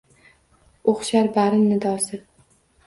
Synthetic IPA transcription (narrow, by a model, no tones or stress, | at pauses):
oχʃaɾbaɾɪnnɪd̪ɒsɪ